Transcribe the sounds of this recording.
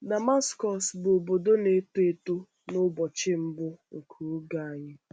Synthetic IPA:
da˨ma˦skɔ˨sbʊ˨o˨bo˨do˦ne˨˦tu˦e˨to˦ | nʊ˦bɔ˨t͡ʃɪ˦m̩˦bʊ˦ŋ̩˨kʰu˨˦ɡa˨a˨ɲɪ˦

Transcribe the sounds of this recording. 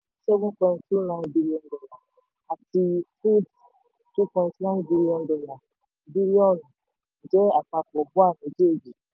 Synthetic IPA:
sɛ˦ɡũ˦kɔ̃˧n̩˦tu˦nã˨˦nbi˦li˦ɔ̃˧ndɔ˨la˨ | a˨ti˧fu˦d | tu˦kɔ̃˨˧n̩˨˦tnã˦bi˧li˦ɔ̃˧ndɔ˨la˨ | bi˦li˦ɔ˦˨n̩˨ | d͡ʒɛ˦a˨k͡pa˧k͡pɔ˨bu˦a˦˨nĩ˨˦d͡ʒe˦˨d͡ʒi˨

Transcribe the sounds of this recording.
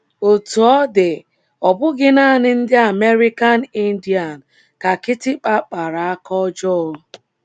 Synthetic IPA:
o˨tu˨ɔ˦dɪ˨ | ɔ˨bʊ˦ɡɪ˦na˦˨nɪ˦n̩˦dɪ˦a˨me˦ɾi˦ka˦n̩˨˦i˦n̩˦di˨a˨n̩˨ | ka˨kɪ˦tɪ˦k͡pa˦k͡pa˨ɾa˨a˦kɔ˦d͡ʒɔ˦ɔ˦

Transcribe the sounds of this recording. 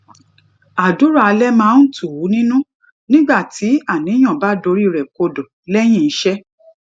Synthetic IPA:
a˨du˨˦ɾa˦˨a˧lɛ˦mãː˦n̩˦tu˦˨wu˨˦nĩ˦nũ˦ | nĩ˦ɡ͡ba˦˨ti˨˦a˦˨nĩ˨˦j̃ɔ̃˦˨ba˨˦do˨˧ɾi˦˨ɾɛ˨ko˧do˨ | lɛ˦j̃ĩ˦˧˨n̩˦ʃɛ˦

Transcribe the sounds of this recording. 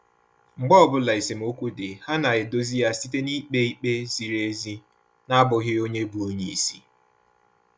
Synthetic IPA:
ŋ͡m̩˨ɡ͡bɔ˦˨bʊ˦la˨i˨si˨m̩˨o˦kʷu˦dɪ˨ha˦na˨ɣɪ˨do˦zi˦ja˦si˦t̬e˦ni˦k͡pe˦i˦k͡pe˦zi˨ɾe˦zi˦ | na˦bʊ˨ɣɪ˦o˦ɲe˦bu˨o˦ɲe˦i˨si˦

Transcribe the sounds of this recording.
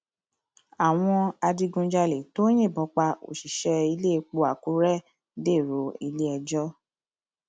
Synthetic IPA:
a˨w̃ɔ̃˧a˧di˧ɡũ˧d͡ʒa˧le˨to˦j̃ẽ˦˨bɔ˨˧˦k͡pa˧o̰˨ʃi˨ʃɛ˧i˧le˦˧k͡po˧˦a˨ku˨˦ɾɛ˦˨ | de˦˨ɾo˨˦i˧le˦ɛ˧d͡ʒɔ˦

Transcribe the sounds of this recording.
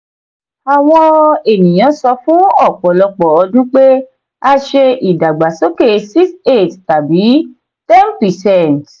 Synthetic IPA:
a˨w̃ɔ̃˧e˦˨nĩ˨j̃ã˨˦sɔ˧˦fũ˦ɔ˦˨k͡pɔ˨lɔ˧k͡pɔ˨ɔ˧dũ˦k͡pe˦ | a˧ʃe˧ʔi˨da˨ɡ͡ba˨so˦ke˦˨si˦kse˦˨tta˨bi˨˦ | tɛ˦npi˨sɛ˦˨n˨t

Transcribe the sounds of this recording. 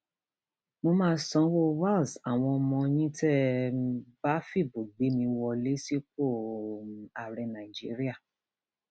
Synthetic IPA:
mo˧mãː˦sɔ̃˧˦wo˦wa˦˨lsa˨w̃ɔ̃˧ɔ˧mɔ̃˧jĩ˦tɛ˦ | ba˦fi˦˨bo˨ɡ͡be˨˦mĩ˧wɔ˧le˦si˦k͡po˦˨ | a˨ɾɛ˧nã˨i˨d͡ʒi˨˦ɾi˦a˦˨

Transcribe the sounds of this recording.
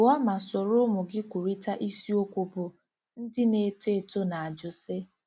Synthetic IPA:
ɔ˦ma˨so˨ɾʊ˦mʊ˨ɡɪ˦kʷu˨ɾi˦ta˦ʔi˦si˦o˦kʷu˦po˨ | n̩˦dɪ˦ne˨te˦˨to˦na˨a˨d͡ʒʊ˨sɪ˦

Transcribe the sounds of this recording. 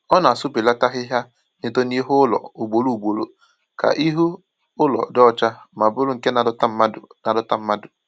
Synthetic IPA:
ɔ˦na˨a˨sʊ˦bi˨la˦ta˦ɦɪ˦ɦja˦ | ne˦to˦ni˦ɦʊ˦lɔ̰˨u˨ɡ͡bo˨lu˦˨ɡ͡bo˨lo˦ | ka̰˨ʔi˦ɦu˦ | ʊ˦lɔ̰˨dɔ˦˨t͡ʃa˦ma˨bʊ˦lʊ˦ŋ̩˨ke˦na˨˦ta˦a˦dna˨dɔ˦ta˦m̩˦ma˦dʊ˨

